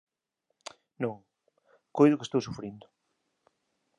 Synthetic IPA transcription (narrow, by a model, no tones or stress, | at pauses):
nõŋ | kojðʊkest̪owsufɾind̪ʊ